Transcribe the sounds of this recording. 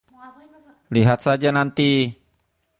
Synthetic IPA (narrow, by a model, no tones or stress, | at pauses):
liɦat̪̚sad͡ʒanant̪i